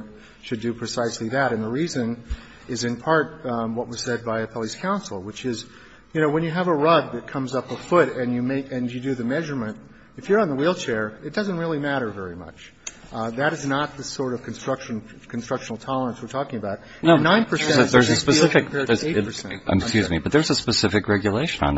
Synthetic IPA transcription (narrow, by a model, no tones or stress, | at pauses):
ʃɨdɨpʰɹ̥ɨsaɪsliðɨɾɨ̃nðəɹizɨ̃n | ɪzɨ̃npʰɑɹt̚wʌt̚wʌz̥sɛd̚baɪɨpʰɛlˠiskʰãʊ̃nsl̩ˠwət͡ʃɪz | jɨnoʊwə̃njɨːvəɹʌd̪̚ðɨt̚kʰʌ̃mzʌpʌ̥fʊɾɨ̃njɨmeɪkɨ̃njɨdɨðɨmɛʒə˞mɨ̃nt | ɨfjə˞ə̃nðəwilˠt͡ʃʰɛɹɨt̚d̥ʌzɨ̃n̩t̚ɹɪlˠimæɾə˞vɛɹimʌ̰t͡ʃ | ðɨɾɨznət̪̚ðɨsɔɹɾʌv̥kʰn̩stɹ̥ʌkʃɨ̃n | kʰn̩stɹ̥ʌkʃn̩l̩ˠtʰɑlˠə˞ə̃nswɨ˞tʰɔkɪ̃ŋɨbaʊt̚ | nõnãɪ̃npʰə˞sɛ̃ðə˞zɨspɨsɪfɨkkpɛɹðəeɪə˞sɛ̰̃kjʉzmibʌt̪̚ðə˞zəspɨsɪfɨkɹɛɡjɨleɪʃɨ̃nə̰̃n